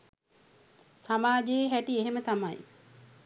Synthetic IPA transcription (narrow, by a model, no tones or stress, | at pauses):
samaːd͡ʒeeɦæʈieɦemət̪amaj